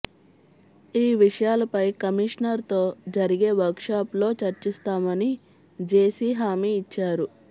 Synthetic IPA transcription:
iːʋiʂɐjaːlɐpɐjkɐmiʂnɐɾt̪o̞ːd͡ʒɐɾiɡeːʋɐɾkʂaːplo̞ːt͡ʃɐɾt͡ʃist̪aːmɐni | d͡ʒe̞ːsiːɦaːmiːt͡ʃːaːɾu

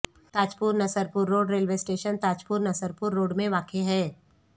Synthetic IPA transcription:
t̪aːt͡ʃpʊːɾnɐsəɾpʊɾːoːɖɾeːlʋesʈeːʃənt̪aːt͡ʃpʊɾnɐsəɾpʊɾːoːɖmẽʋaːkeɦɛː

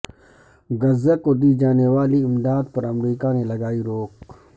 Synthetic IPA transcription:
ɡɐzekod̪iːd͡ʒaːneʋaːliɪmd̪aːd̪̚pɐɾɐmɾiːkanẽlɐɡaːiɾoːk

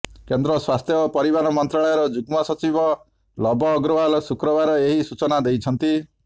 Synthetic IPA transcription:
kend̪ɾɔswast̪ʰjɔːpɔɾibaɾɔmɔnt̪ɾaɭɔjɔɾɔd͡ʒuɡmɔsɔt͡ʃibɔ | lɔbɔːɡɾɔbalɔsukɾɔβaɾɔeɦisut͡ʃɔnad̪ejt͡ʃʰɔnt̪i

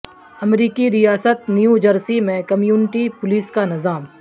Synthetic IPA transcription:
ɐmɾiːkiɾijaːsət̪̚njud͡ʒɐɾsimẽkɐmjuːnɪʈipʊliːskanɪzaːm

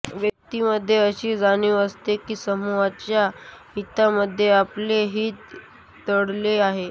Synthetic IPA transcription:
ʋjək̚t̪iməd̪ʱːjeəɕiːd͡zañuəst̪ekiːsəmuʋat͡ɕjahit̪aməd̪ʱːjeapleɦiːt̪̚ː | əɽleaɦe

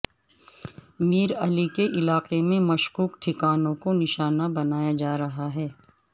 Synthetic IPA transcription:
miːɾɐlikeʔɪlaːqemẽmɐʃkuːkʈʰɪkaːnõkonɪʃaːnabɐnaːjad͡ʒaːɾɐɦaɦɛː

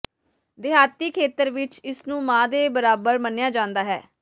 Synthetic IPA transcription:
d̪ɪɦaːt̪iːkʰeːt̪əɾʋɪt͡ʃɪsnũːmãːd̪eːbəɾaːbəɾmənjaːd͡ʒãːnd̪aːɦɛ̰ː

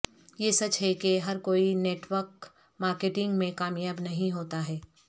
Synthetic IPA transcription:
jesɐt͡ʃɦɛkeɦɐɾkoːineːʈwəɾk | maːɾkeːʈɪ̃ŋɡmẽkaːmjaːbnɐɦĩɦoːt̪aɦɛː

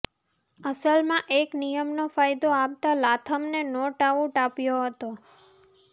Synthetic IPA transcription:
əsəlmãʔeknijəmnofajd̪oap̚t̪alat̪ʰəmnenɔʈaʋũʈapjoɦət̪o

